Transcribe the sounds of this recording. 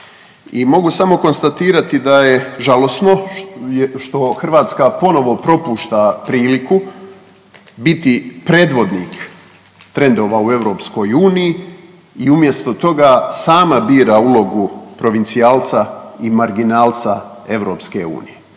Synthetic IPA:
imo̞ɡusamo̞ko̞nst̪at̪iːɾat̪id̪aje̞ʒalo̞sno̞ | ʃt̪o̞xr̩ʋaːt̪skapo̞no̞ʋo̞pɾo̞puːʃt̪apɾiːliku | bit̪ipɾeːd̪ʋo̞d̪niːk | t̪ɾe̞nd̪o̞ːʋaue̞ʋɾo̞psko̞juːniji | iumje̞st̪o̞t̪o̞ɡasaːmabiːɾaulˠo̞ɡupɾo̞ʋint̪siaːlt̪saimaɾɡinaːlt̪sa | e̞ʋɾo̞ːpske̞ṵːnije

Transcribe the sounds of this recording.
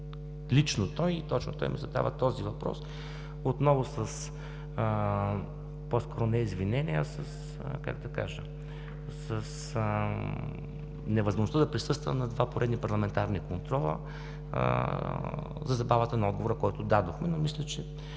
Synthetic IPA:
lit͡ʃnot̪ɔjit̪ɔt͡ʃnʊt̪ɔ̰jmḭzɐd̪a̰vət̪ɔzivɐpɾɔ̰s | ot̪nɔvʊsəs | pɔskɔɾʊnɛizvinɛniə̰sɐs | ka̰kd̪ɐka̰ʒə | səs | nɛvɐzmoʒnost̪əd̪ɐpɾisɤst̪və̰nɐd̪vapoɾɛd̪nipɐɾlˠɐmɛnt̪aɾnikont̪ɾɔlˠə̰ | zɐzɐbavət̪ənɐɔd̪̚ɡovoɾəkɔjt̪ʊd̪ad̪oxmɛnomislʲɛt͡ʃɛ

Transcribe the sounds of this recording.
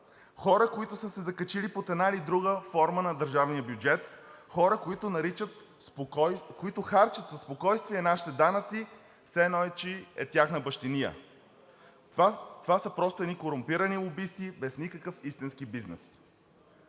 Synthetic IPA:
xɔɾəkoit̪ʊsəsɛzɐkɐt͡ʃilipot̪ɛd̪nailid̪ɾuɡəfɔɾmənɐd̪əɾʒavnijəbjud͡ʒɛt̪xɔɾəkit̪ʊnɐɾit͡ʃət̪ | koit̪ʊxaɾt͡ʃət̪zɐspokɔjst̪viɛnaʃi̥t̪ɛd̪anət̪si | fsɛɛnɔɛt͡ʃiɛt̪ʲjaxnəbɐʃt̪inijə̰ | t̪ovasəpɾɔst̪ʊɛd̪nikoɾʊmpiɾənilˠobist̪ibɛsnikəkəfist̪inskibiznɛ̰s

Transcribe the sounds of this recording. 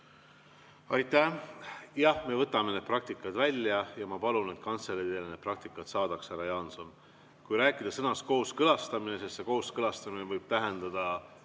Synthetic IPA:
ɑjt̪ːæ | jɑhme̞vɤt̪ːˑɑmened̪̥̚prɑk̚t̪ikːˑɑt̪vælʲːjɑjɑmɑpɑlune̞t̪kɑnselet̪eːlːened̪̥̚prɑk̚t̪ikːˑɑt̪sɑːd̪̥ɑkshæɾɑjɑnso̞n | kujɾæːkːˑid̪̥ɑsɤnɑsko̞ːskɤlɑst̪ɑmine̞sest̪se̞ko̞ːskɤlɑst̪ɑmine̞vɤjb̥̚t̪æɦe̞nd̪̥ɑd̪̥ɑ

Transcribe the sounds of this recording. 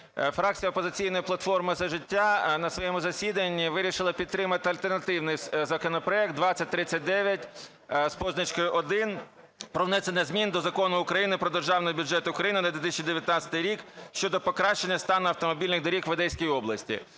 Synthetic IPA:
fɾɑk̚t͡sʲijɐɔpɔzɪt͡sʲijn̪ɔjiplˠɐt̪fɔrmɪzɐʒɪtʲːanɐsʋɔjɛmʊzɐsʲid̪ɐnʲːiʋɪɾʲiʃɪlˠɐpʲid̪t̪ːɾɪmɐt̪ɪɐlʲt̪ernɐt̪ɪwnɪjzɐkɔnɔpɾɔɛk̚t̪d̪ʋɑt͡sʲːɐt̚ʲt̪ɾɪt͡sʲːɐt̚ʲd̪ɛʋʲjɐtʲ | spɔznɐt͡ʃkɪʔɔd̪ɪn | pɾɔwnɛsʲenɪzmʲind̪ɔzɐkɔnʊʊkɾɐjinɪpɾɔd̪erʒɑwnɔɦɔbʲʊd͡ʒɛt̪ʊʊkɾɐjinɪnɐd̪ʲʋʲɪt̪ɪsʲt͡ʃid̪eʋʲjɐt̪nɑt͡sʲɐ̥t̪ɪjɾʲikʃt͡ʃɔd̪ɔpɔkɾɑʃt͡ʃenʲːɐst̪ɑnʊɐwt̪ɔmɔbʲilʲnɪɣd̪ɔɾʲikʋed̪ɛjsʲkʲijɔblˠɐsʲtʲḭ

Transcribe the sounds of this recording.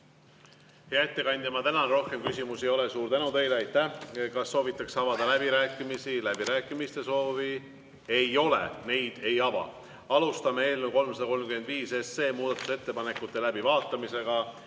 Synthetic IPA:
heɑe̞t̪ːe̞kɑnʲd̪̥ʲimɑt̪ænɑnɾo̞hke̞mkysʲimusejo̞lesuːɾt̪ænut̪e̞jleɑjt̪ːæhkɑsːo̞ːvit̪ːˑɑksɑvɑd̪ɑlæb̥iɾæːkˑːimisilæb̥iɾæːkːˑimist̪e̞so̞ːvi | e̞jo̞lḛne̞jd̪̥e̞jɑvɑ̰ | ɑlust̪ɑmeeːlmewko̞lmsɑd̪ɑko̞lmkymend̪viːse̞sːe̞ːmuːd̪̥ɑt̪ːˑu̥se̞t̪ːe̞pɑne̞kːˑut̪ˑːe̞læb̥ivɑːt̪ːˑɑmise̞ɡ̥ɑ

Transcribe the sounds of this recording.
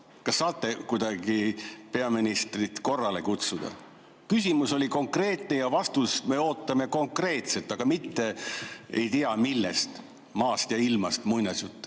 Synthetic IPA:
kɑsːɑːt̪ːe̞kujd̪ɑɡ̥ipe̞ɑminist̪rit̪ko̞rːɑle̞kut̪sud̪̥ɑ̰ | kysʲimuso̞lʲiko̞ŋkre̞ːt̪ne̞jɑvɑst̪usme̞o̞ːt̪ːɑmeko̞ŋkre̞ːt̪se̞t̪ːˑɑɡ̥ɑmit̪ːe̞ḛjt̪iɑmilːḛst̪ | mɑːst̪jɑilmɑst̪mujnɑsjut̪ːˑ

